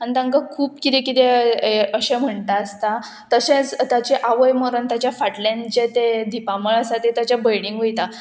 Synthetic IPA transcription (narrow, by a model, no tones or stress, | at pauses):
anit̪ãŋkakʰuːpkit̪ekit̪eəɕẽm̤əɳt̪aːst̪a | t̪əɕẽt͡st̪at͡ɕeʔaʋəjmoɾont̪jat͡ɕjafaʈlant͡ɕet̪ed̪ipaməɭasat̪et̪jat͡ɕjabəjɽiŋɡɦojt̪a